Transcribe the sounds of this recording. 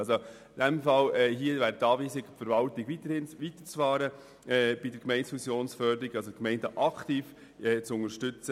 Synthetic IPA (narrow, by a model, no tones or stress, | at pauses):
so | ɪdæmfɑlɛɦiəʋæːɾtːɑːʋiːsɪɡ̥fəɾʋɑlt̪iɡ̥itəhɪnʋit̪ə̥ɾt͡sfɑːɾə | ɛːb̥idəɾkmɛɪntsfusjoːnsfœɾd̪əɾiɡɑlsokmɛɪndəʔɑkt̪iːf | ɛːt͡sʊŋəʃtʏt͡sə